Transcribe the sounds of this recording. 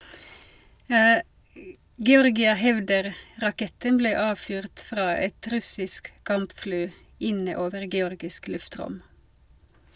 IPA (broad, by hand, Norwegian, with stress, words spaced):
ɡɛˈɔʁɡɪə ˈhɛʋdəʁ ʁɑˈkɛtən ˈbleː ˈɑːʋfyːʁt ˈfʁɑː ˈɛt ˈɾʉsɪsk ˈkɑmpˌfɽyː ˈɪnə ˈoːʋəʁ ɡɛˈɔʁɡɪsk ˈlʉfˌtʁʊm